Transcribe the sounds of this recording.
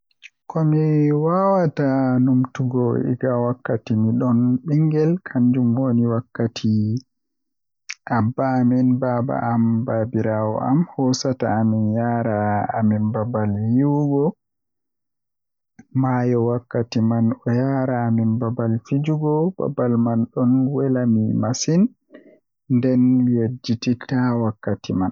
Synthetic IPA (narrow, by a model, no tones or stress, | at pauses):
kɔmiwawatanumtuɡɔḭɡawakːatimiɗɔnɓiŋɡɛlkʰaɲd͡ʒumwoniwakːatʰi | ʔabːaːminbaːba̰ʔambabiɾawɔ̰ʔamhɔsataːminjaɾaːminbabaljiwɡɔ | majɔwakːatimanɔjaɾaːminbabalfid͡ʒuɡɔba̰balmanɗɔnwɛlamimasin | ndɛnjed͡ʒːititawakːatiman